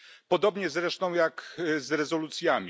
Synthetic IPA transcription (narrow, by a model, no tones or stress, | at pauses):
pɔd̪ɔbɲɛzɾɛʂt̪ɔ̃w̃jakzɾɛzɔlut̪sʲjamʲ